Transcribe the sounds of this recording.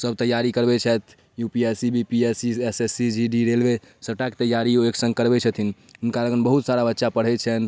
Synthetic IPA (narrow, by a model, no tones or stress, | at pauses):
səb̚t̪əjːaɾikəɾbɛt͡ʃʰɛt̪ʰ | jupiesibʱipiesiesesid͡ʒiɖiɾelbe | səʈakt̪əjaɾioeksə̃ŋɡkəɾbɛt͡ʃʰət̪ʰin | ɦunkaləɡənbəɦut̪saɾabətːʃapəɽ̤ɛt͡ʃʰɛn